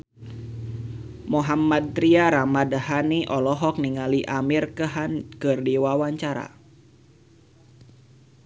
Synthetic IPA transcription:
moɦamad̪̚t̪ɾiaɾamadhaniʔɔlɔɦɔk̚niŋaliʔamirkəɦankɨrdiwawaɲt͡ʃaɾa̰

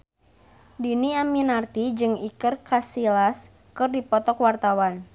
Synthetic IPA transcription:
diniaminart̪id͡ʒɨŋikɨrkasilas | kɨrdipɔt̪ɔkwart̪awan

